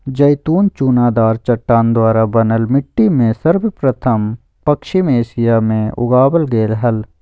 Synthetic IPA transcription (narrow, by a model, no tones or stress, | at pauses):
d͡ʒɐjt̪uːnt͡ʃuːnaːd̪aːɾt͡ʃɐʈːaːnd̪waːɾabɐnəlmɪʈːimẽsɐɾbəpɾət̪ʰəm | pɐkʃɪmeːʃijamẽʊ̰ɡaːbəlɡeːlɦɐl